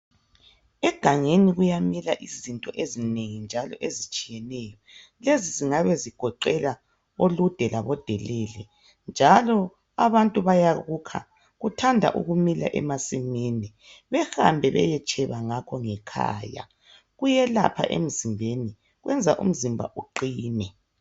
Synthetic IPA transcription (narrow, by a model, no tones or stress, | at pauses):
ɛɡ̥ʱaŋeniɣujamilaʔizintʼɔʔezineŋind͡ʒʱalɔʔezit͡ʃʼijɛnɛjɔ | leziziŋaβɛziɡ̥ʱɔǃɛla | olud̥ʱɛlaβɔd̥ʱɛlɛːlɛ | nd͡ʒʱalɔ | aβantʼuβajaɣukʰa̰ | ɣutʰandʱa̰ʔṵɣumila̰ʔɛ̰masimini | βɛha̰mbʱɛβɛ̰jɛt͡ʃʼɛβaŋakʰɔŋɛkʰa̰ːja̰ | ɣujɛla̰pʰa̰ʔḛm̩zimbʱeni | ɣwɛnd͡zʱaʔṵm̩zimbʱa̰ʔuǃiːnɛ